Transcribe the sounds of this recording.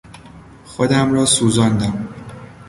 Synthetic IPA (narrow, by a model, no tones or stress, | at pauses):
xod̪æmɾɒːsuːzɒːnd̪æm